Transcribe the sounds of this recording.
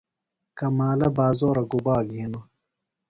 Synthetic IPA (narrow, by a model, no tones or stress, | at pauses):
kɐmaːlɐbaːzoːɾɐɡubaːɡiːnu